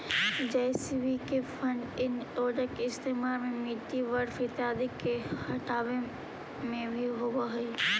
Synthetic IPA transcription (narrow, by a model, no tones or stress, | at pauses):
d͡ʒeːsibikefʰɐ̃ɳɖɪnʈoːd͡ʒəkeɪst̪eːmaːɾmẽmiːʈiʋɐɾfɪt̪ɪɦaːd̪ɪkːehɐʈaːʋẽ | mẽbʱiɦoːɡaɦɐ